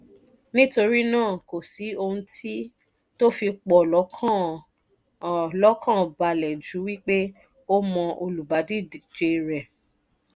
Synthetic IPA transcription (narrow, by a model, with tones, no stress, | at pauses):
nĩ˦to˧ɾi˦nãː˦˨ko˨si˨˦o˧ũ˧tʰi˦ | to˦fi˧k͡pɔ˨lɔ˨˦kʰã˦˨ | lɔ˦kã˦˨ba˧lɛ˨d͡ʒu˨˦wi˦k͡pe˦ | o˦mɔ̃˧ʔo˧lu˨ba˨˦di˦d͡ʒe˧ɾɛ˨